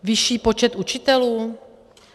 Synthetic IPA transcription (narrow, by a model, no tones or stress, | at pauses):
vɪʃiːpo̞t͡ʃɛt̪ʔut͡ʃɪt̪ɛluː